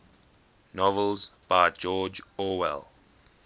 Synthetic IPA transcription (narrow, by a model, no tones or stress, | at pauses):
nɔvəlˠzb̥aɪd͡ʒɔːd͡ʒɔwɛ̰lˠ